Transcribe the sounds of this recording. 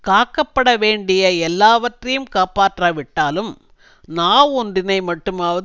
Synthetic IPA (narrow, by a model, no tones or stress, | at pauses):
kaːkːɐpːɐɽɐʋeːɳɖɪjɐɛlːaːʋɐʈrɐjɯmkaːpaːʈrɐʋɪʈːaːlɯm | naːɔndɪnɐɪmɐʈːɯmaːʋɐ